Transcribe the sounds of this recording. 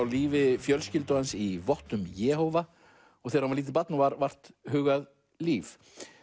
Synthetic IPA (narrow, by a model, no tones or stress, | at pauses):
awliːvɪfjœlscɪlt̪ʏansivɔht̪ʏmjɛːɦowva | ɔɣθɛɾavaɾliːt̪ɪpat̪nɔvaɾvar̥t̪hʏːɣað | liːf